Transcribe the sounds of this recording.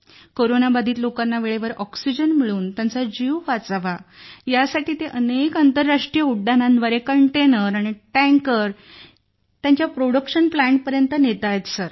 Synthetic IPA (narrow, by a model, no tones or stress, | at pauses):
koɾonabad̪ʱiːt̪lokanːaʋeɭeʋəɾɔksid͡ʑənmiɭuːnt̪jant͡sad͡ʑiʋʋat͡saʋajasaʈiːt̪eʔənekant̪əɾːaʂʈɾijəuɽɖanãnʋəɾekəɳʈenəɾaɽ̃iʈɛ̃ŋkəɾ | t̪jaɲt͡ɕjapɾoɽəkʂənplæ̃ɳʈ̚pəɾjənt̪ənet̪ajet̪səɾ